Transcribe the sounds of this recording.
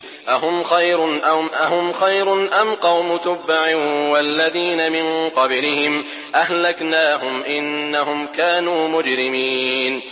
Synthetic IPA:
ʔaɦʊmxajɾʊnʔamʔaɦʊmxajɾʊnʔamqɑwmʊt̪ʊbːaʕɪwalːaðiːnamɪnqɑblɪhɪm | ʔahlaknaːhʊmʔɪnːaɦʊmkaːnuːmʊd͡ʒɾɪmiːn

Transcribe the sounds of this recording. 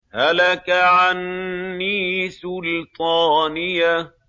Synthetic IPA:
halakaʕanːiːsʊlt̪ˤɑːnɪjːa

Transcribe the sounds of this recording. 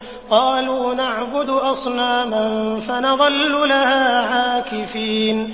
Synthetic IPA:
qɑːluːnaʕbʊd̪ʔɑsˤnaːmanfanɑðˤɑlːʊlahaːʕaːkɪfiːn

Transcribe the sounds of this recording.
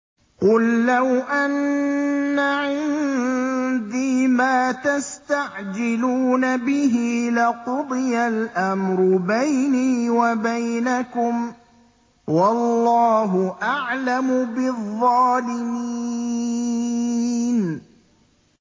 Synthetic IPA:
qʊlːawʔanː | aʕɪnn | d̪iːmaːt̪ast̪aʕd͡ʒɪluːnabɪɦilɪqʊd̪ˤɨjalʔamɾʊbajniːwabajnakʊm | wɑlːɑːɦʊʔaʕlamʊbɪðˤːɑːlɪmi | n

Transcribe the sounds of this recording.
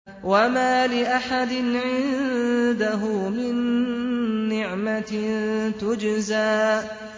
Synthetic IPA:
wamaːlɪʔaħad̪ɪnʕɪnnd̪aɦʊmɪnː | ɪʕmatt̪ʊd͡ʒzaːʔ

